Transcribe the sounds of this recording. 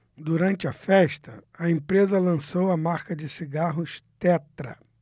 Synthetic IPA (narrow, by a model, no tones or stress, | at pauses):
d̪uɾɐ̃nt͡ʃɪɐfɛʃt̪ɐɐẽpɾezɐlɐ̃sowɐmaɾkɐd͡ʒɪsiɡaɦʊʃt̪ɛt̪ɾɐ̰